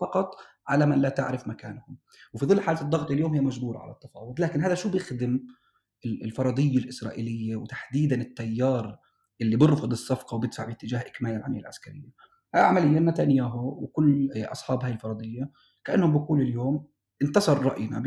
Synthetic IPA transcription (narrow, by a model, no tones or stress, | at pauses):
fɑqɑt̪ˤ | ʕalamanlat̪ɪʕɾɪfmakaːnhʊm | wfiðˤɨlːħaːlat̪d̪ˤːɑɣt̪ˤɑljoːmhɪjːmaʒbuːɾˤɑ̰ʕa̰la̰t̪ːɑfɑ̰ːwʊd̪ˤlaːkɪnhaːjd̪aʃuːbjɪxd̪ɪm | ɪɪlfɑɾˤɑd̪ˤɨjːalʔɪsɾˤɑ̰ːʔḭːlɪjːawt̪ḁħd̪iːd̪anɪt̪ːajːɑːɾˤ | ʔɪlːibɨɾˤfʊd̪ˤɨsˤːɑfqɑwbɪd̪faʕbɪt̪ːɪd͡ʒaːhʔɪkmaːjalʕa̰mɪjːa̰lʕaskaɾɪjːa | hajʕamalɪjːaʔnːat̪anɪjaːɦʊwɪkʊlːʔɑ̰sˤħɑːbhaːjɪlfɑɾˤɑd̪ˤɨjːa | kaʔanːhʊmbɪkuːlɪljoːm | ʔɪnt̪ɑsˤɑɾˤɾˤɑʔjna̰